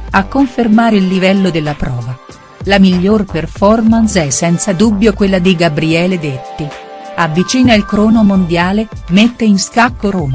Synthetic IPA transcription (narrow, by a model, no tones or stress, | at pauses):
akːoɱfermaːɾeilːivɛlːod̪elːapɾɔːva | lamiʎːorperfɔrmansɛsɛnt̪sad̪ubːjokwelːad̪iɡabɾiɛːled̪et̪ːiavːit͡ʃiːnailkɾɔːnomond̪jaːlemet̪ːeinskakːoɾoːma